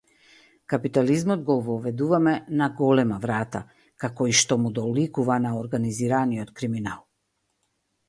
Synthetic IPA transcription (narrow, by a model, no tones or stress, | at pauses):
kapit̪alizmɔd̪ɡɔvɔvɛd̪uvamɛnaɡɔlɛmavɾat̪a | kakɔiʃt̪ɔmud̪ɔlikuvanaɔɾɡaniziɾaniɔt̪kɾiminalˠ